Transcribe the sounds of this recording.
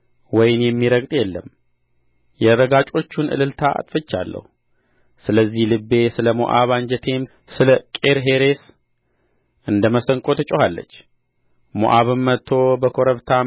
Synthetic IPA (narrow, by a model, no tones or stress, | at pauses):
wɔjɪnjɛmːiɾəɡt̪ʼjɛlːəm | jɛɾəɡat͡ʃʼo̞t͡ʃːunʔɨ̰lɨlt̪ʰaa̰t̪ʼfɨt͡ʃːa̰lːə̰hu | sɨləzːihlɨbːe̞sɨləmṵʔaβaɲd͡ʒət̪ʰe̞m | sɨləkʼe̞ɾɦe̞ɾe̞s | ʔɨnd̪əməsəŋkʼo̞t̪ʰɨt͡ʃʼohalːə̰t͡ʃː | mo̰ʔaβɨmːət̪ʰːo̞bəkʰo̞ɾəβt̪ʰa